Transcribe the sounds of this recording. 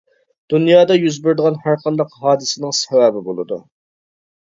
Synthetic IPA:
d̪̥unjɑːd̪ɑjyzbɪɾd̪əʁɑnhæɾqʰɑnd̪ɑqɦɑːd̪ɨsɪnɪŋsɛwæbɪbolˠɨd̪ṵ

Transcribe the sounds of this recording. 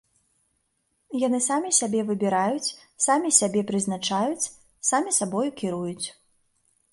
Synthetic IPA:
janɨsamʲisʲabʲɛvɨbʲiɾajut͡sʲ | samʲisʲabʲɛpɾɨznat͡ʂajut͡sʲ | samʲisabɔjukʲiɾujut͡sʲ

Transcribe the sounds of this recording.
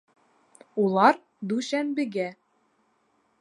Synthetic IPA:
ulˠɑɾ | d̪ʉʃænbɘ̆ɡæ

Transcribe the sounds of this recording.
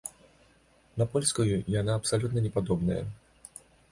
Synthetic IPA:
nɐpɔlʲskujujanaːpsalʲut̪nɐnʲɛpad̪ɔbnɐjɐ̰

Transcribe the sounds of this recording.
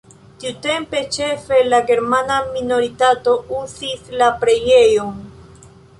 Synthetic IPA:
tiute̞mpe̞t͡ʃe̞fe̞laɡe̞ɾmanamino̞ɾitato̞ʔuzislapɾe̞jejon

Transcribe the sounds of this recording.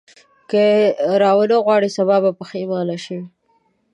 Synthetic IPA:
kəɾɑwəloɣwɑɽisaβɑbapəxemɑlaʃi

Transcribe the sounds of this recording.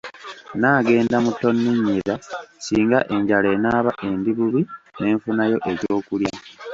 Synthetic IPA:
naːɡe̞ːndamutːo̞nːiɲːiɾasiːŋɡaʔe̞ɲɟale̞ːnaːβaʔe̞ndiβuβine̞ːɱfunajo̞ʔe̞ɟo̞ːkulja

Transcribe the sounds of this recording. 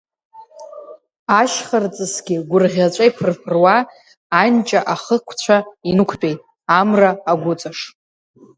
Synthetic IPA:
aʃχart͡sʼɨsɡʲɪɡʷʊrʁʲat͡ʃʷʼaipʰɨrpʰɨrwaː | nt͡ʃʼaʔaχəkʷʰt͡ɕʷʰainɨkʷʰt͡pʼejtʼ | amraːɡʷʊt͡sʼaʂ

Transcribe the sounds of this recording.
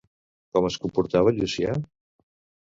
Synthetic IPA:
kɔməskumpuɾt̪aβəʎusia̰

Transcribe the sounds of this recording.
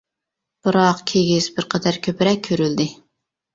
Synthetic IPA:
b̥ɨɾɑqkʲʰeɡʲiz̥bɪɾqʰəd̪æɾkʲʰøpɪɾɛk̚ʲʰːøɾyld̪ɪ

